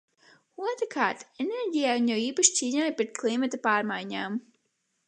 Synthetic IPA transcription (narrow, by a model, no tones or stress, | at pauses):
uɔt̪ɾkʰaːɾt̪eneɾɟʲijaunjawiːpaʃt͡ʃ̪ʲiːɲaːjpɾet̪̚klˠimat̪apaːɾmajɲaːm